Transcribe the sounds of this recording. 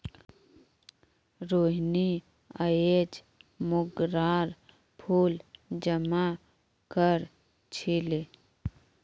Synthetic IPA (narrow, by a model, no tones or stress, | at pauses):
ɾoːɦni | əed͡ʒ | mʊɡɾaːɾ | pʰuːld͡ʒəma | kəɾ | t͡ʃʰɪle